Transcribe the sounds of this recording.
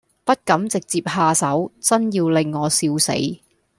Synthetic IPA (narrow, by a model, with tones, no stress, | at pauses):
pɐ˥t̚kɐ˨˥mt͡sɪ˨k̚t͡siː˧p̚haː˧sɐ˨˥wt͡sɐ˥njiː˧wlɪ˨ŋːɔː˨˧siː˧wsḛ˨˥j